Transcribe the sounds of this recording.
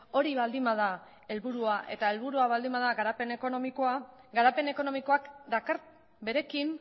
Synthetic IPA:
o̞ɾiβald̪imað̞a | e̞lβuɾuaʔe̞t̪ae̞lβuɾuaβald̪imbaðaɡaɾape̞ne̞ko̞no̞miko̞aɡaɾape̞ne̞ko̞no̞miko̞akd̪akaɾ | be̞ɾe̞kim

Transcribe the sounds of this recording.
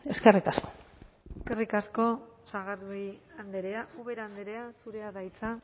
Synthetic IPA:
e̞skerikasko̥ | eske̞rikasko̞saɣaɾðuiand̪eɾeaʔuβe̞ɾand̪e̞ɾe̞asuɾe̞aðajt͡sa

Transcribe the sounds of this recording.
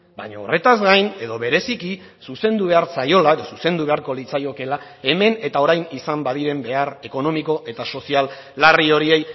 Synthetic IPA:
bajɲao̰re̞t̪azɡajne̞ðo̞βe̞ɾe̞siki | suse̞nd̪uβ̞e̞aɾsajo̞lae̞ðo̞suse̞nd̪uβe̞aɾko̞lit͡sajo̞ke̞la | e̞me̞ne̞t̪ao̞ɾajnisambaðiɾe̞mbe̞are̞ko̞no̞miko̞ʔe̞t̪aso̞sialː | ario̞ɾie̞j

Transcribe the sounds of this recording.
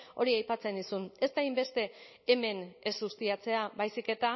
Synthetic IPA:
o̞ɾiajpat͡se̞nisune̞st̪ajmbe̞st̪e̞ː | me̞ne̞zɣust̪iat͡se̞abajsike̞t̪a

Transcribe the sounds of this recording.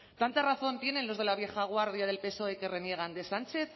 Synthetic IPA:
t̪ant̪araθo̞nt̪je̞ne̞nlo̞zð̞e̞laβje̞xaɣ̞waɾðjað̞e̞lpe̞so̞e̞ke̞re̞nje̞ɣ̞and̪e̞sant͡ʃe̞θ

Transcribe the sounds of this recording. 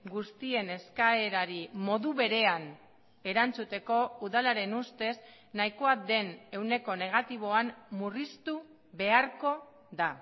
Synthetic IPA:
ɡust̪ie̞ne̞skae̞ɾaɾimo̞ðuβe̞ɾe̞an | e̞ɾant͡sut̪e̞ko̞uðalaɾe̞nust̪e̞s | naiko̞ad̪e̞ne̞wne̞ko̞ne̞ɣ̞at̪iβ̞o̞ammurist̪u | βe̞aɾko̞ | ða

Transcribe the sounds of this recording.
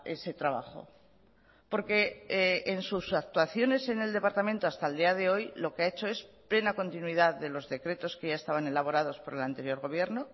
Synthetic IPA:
e̞se̞t̪ɾaβa̰xo̰ | po̞ɾke̞ː | nsusak̚t̪waθjo̞ne̞se̞ne̞ld̪e̞paɾt̪amẽnt̪oast̪aeld̪iað̞e̞o̞jlo̞keae̞t͡ʃo̞e̞sple̞nako̞nt̪inwiðaððe̞lo̞zðe̞kɾe̞t̪o̞skeʝaest̪aβ̞ane̞laβ̞o̞ɾað̞o̞spo̞ɾe̞lant̪e̞ɾjo̞ɾɣ̞o̞β̞je̞ɾno

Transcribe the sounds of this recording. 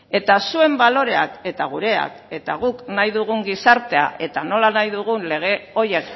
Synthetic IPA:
e̞t̪asue̞mbalo̞ɾe̞ake̞t̪aɣ̞uɾe̞a̰ke̞t̪aɣ̞uknajðuɣ̞uŋɡisaɾt̪e̞a̰ʔe̞t̪ano̞lanajðuɣ̞unle̞ɣ̞e̞o̞je̞k

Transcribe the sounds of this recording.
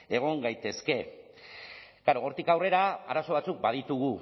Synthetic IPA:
e̞ɣ̞o̞ŋɡajt̪e̞ske̞ | kaɾoːɾt̪ikawre̞ɾaaɾaso̞β̞at͡suk̚bað̞it̪uɣ̞u

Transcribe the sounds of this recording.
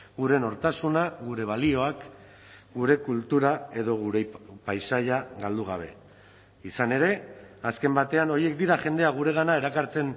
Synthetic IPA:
ɡuɾe̞no̞ɾt̪asunaɣuɾe̞β̞alio̞ak | ɡuɾe̞kult̪uɾae̞ðo̞ɣuɾepajsaʎaɣald̪uɣ̞a̰β̞e̞̰ | isane̞ɾe̞aske̞mbat̪e̞ano̞ɾje̞k̚d̪iɾaʝe̞nd̪e̞aɣ̞uɾe̞ɣ̞anae̞ɾakaɾt͡se̞n

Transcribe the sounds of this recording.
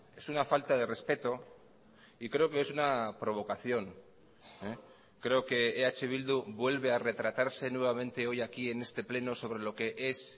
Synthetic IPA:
e̞sunafalt̪aðe̞re̞spe̞t̪o̞ | ikɾe̞okeesunapɾo̞β̞o̞kaθjo̞ŋ | e | kɾe̞oke̞ːat͡ʃe̞β̞ild̪uβwe̞lβe̞are̞t̪ɾat̪aɾse̞nwe̞βamẽ̞nt̪e̞o̞jakie̞ne̞st̪e̞ple̞no̞so̞β̞ɾe̞lo̞ke̞ʔe̞s

